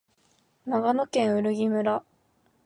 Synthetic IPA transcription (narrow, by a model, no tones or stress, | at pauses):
naɡano̞kẽ̞ɰ̃ɯ̟ɾɯ̟ɡʲimɯ̟ɾa